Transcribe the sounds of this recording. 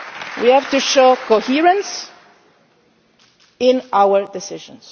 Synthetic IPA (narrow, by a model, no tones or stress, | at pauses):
wihævtuʃoʊkohiɹə̃ns | ɪ̃nawə˞dɪsɪʒə̃ns